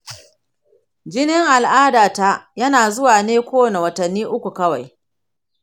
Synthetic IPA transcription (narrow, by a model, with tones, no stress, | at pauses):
d͡ʒɪ˦nɪ˦ŋʔa˨lʔaː˦daː˨ta˦jɐ˦naː˨zʊ˦waː˨neː˦kʷoː˦na˨wɐ˨tɐ˨nːiː˦ʔʊ˦kʷu˨kɐ˦wa˨j